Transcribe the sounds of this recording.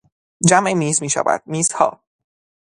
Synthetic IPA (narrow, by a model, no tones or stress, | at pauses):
d͡ʒæmʔemiːzmiːʃa̰væ̰d̪̥̚miːz̥hɒ̰ː